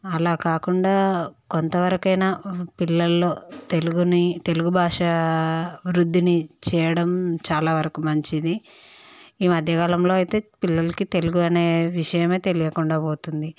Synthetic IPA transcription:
ɐlaːkaːkuɳɖaːkont̪ɐʋɐɾɐkɐjnapilːɐlːo̞ːt̪eluɡunit̪e̞luɡubʱaːʂɐ | ʋɾud̪ʱːinit͡ʃɛːjɐɽɐmt͡ʃaːlaːʋɐɾɐkumɐɲt͡ʃid̪i | iːmɐd̪ʱjɐɡɐlɐmlo̞ːɐjt̪e̞ːpilːɐlɐkit̪e̞luɡuɐne̞ːʋiʂɐjɐme̞ːt̪e̞lijɐkuɳɖaːboːt̪und̪i

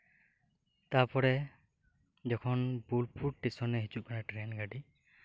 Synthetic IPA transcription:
t̪aɹpɔɾɛ | zɔkʰɔnbulpʰuʈ̚ːisɔnːɛɦit͡ʃuʔ̚kanaʈɾenɡaɖi

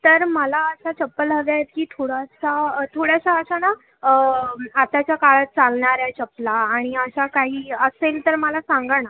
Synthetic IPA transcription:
t̪əɾməlaəsat͡ɕəpːələɡajet̪̚kiːt̪ʰoɽasat̪ʰoɽjasaəsana | at̪at͡ɕjakaɭət̪̚t͡salɳaɾjat͡ɕəplaːɽ̃iəɕakaɦiːəselt̪əɾməlasãŋɡəɳ̃a

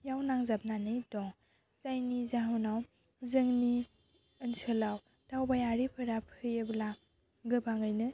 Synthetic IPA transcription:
jawnaŋzap̚nanɯjdɔŋ | zajnizaɦunaw | zɯŋni | ɯnsɯlaw | tawbajaɾipʰɯɾapʰɯjɯbla | ɡɯbaŋɯjnɯ

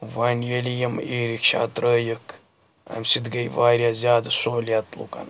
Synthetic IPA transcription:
ʋaːnʲjelʲijɐmiːɾikʃa̰ːt̪ɾəːjək | ɐ̰mʲsid̪ɡɐjʋaːɾʲjaːzʲjaːd̪ɐsoːljaːt̪lṵkɐ̰n

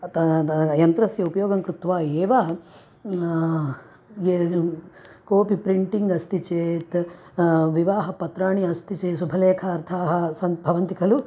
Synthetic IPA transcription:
t̪ɐjɐnt̪ɾɐsjɐupɐjoːɡɐŋkɾut̪ʋaːeːʋa | e | koːpipɾiɳʈiŋɡɐst̪it͡ʃeːt̪ | ʋiʋaːɦɐpɐt̪ɾaːɳiɐst̪it͡ʃeːsubʱɐleːkʰaːɾt̪ʰaːɦɐ̆sɐnbʱɐʋɐnt̪ikʰɐlu

